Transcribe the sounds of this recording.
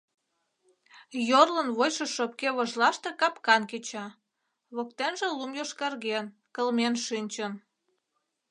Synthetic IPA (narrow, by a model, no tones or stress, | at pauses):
jorlənβojʃeʃop̚keβoʒlɑʃt̪ekɑpkɑnket͡ɕɑ | βokt̪enʒelumjoʃkɑrɣen | kəlmenʃynʲt͡ɕən